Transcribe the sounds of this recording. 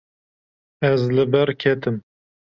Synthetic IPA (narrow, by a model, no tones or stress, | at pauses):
ɛzlɨbɛɾkʰɛt̪ɨm